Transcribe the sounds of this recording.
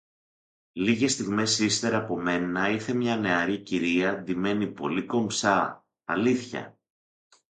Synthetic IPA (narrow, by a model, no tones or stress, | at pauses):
liɣe̞st̪iɣme̞sist̪e̞ɾɐpo̞me̞nɐiɾθe̞mɲɐne̞ɐɾiciɾiɐðime̞nipo̞̰liko̞mpsɐ | ɐ̰liθçɐ̰